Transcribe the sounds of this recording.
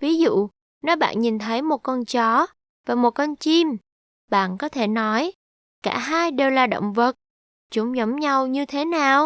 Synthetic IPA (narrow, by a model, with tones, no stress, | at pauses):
vi˨˦zṵ˧˨ | nɔ˨˦jɓa̰ː˧˨nɲi˨˩nt̪ʰə˨˦jmo˨˩t̚kɔ˧nt͡ɕɔ˨˦ | vaː˨˩mo˨˩t̚kɔ˧nt͡ɕi˧m | ɓa̰ː˧˨nkɔ˨˦t̪ʰe˧˩nɔ˨˦j | kaː˧˩ɦaː˧jɗe˨˩wlaː˨˩ɗo̰˧˨wŋ͡mvə˨˩t̚ | t͡ɕʊ˨˦ŋ͡mzə˨˦mɲa˧wɲɨ˧t̪ʰe˨˦naː˨˩w